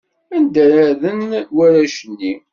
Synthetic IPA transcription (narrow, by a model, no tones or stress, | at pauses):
ænd̪æɾaɾðənwæɾæʃənːi